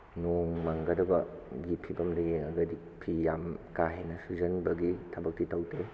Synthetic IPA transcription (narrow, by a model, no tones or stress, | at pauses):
noŋmɐŋɡɐdɐbɐɡipʰibɐmdɐjeŋɐɡɐdi | pʰijamkaɦenɐsud͡ʒɐnbɐɡitʰɐbɐk̚titɐwte